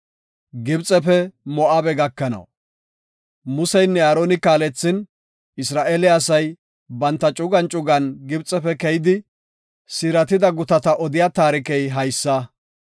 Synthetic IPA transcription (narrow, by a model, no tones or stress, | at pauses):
ɡɪbt͡sʼɛpɛmɔʔaːbɛɡɐkːɐnɐ̰w | mʊsɛjnːɛaːɾoːnɪkaːlɛt͡sːɪn | ɪsɾaːʔeːlɛɐsɐj | bɐnt̪ːɐt͡ʃʼʊɡɐnt͡ʃʼʊɡɐnɡɪbt͡sʼɛpɛkɛjɪd̪ɪ | sɪɾɐt̪ɪd̪ɐɡʊt̪ɐt̪ɐʔɔd̪ɪjat̪aːɾɪkɛjɦɐjsːɐ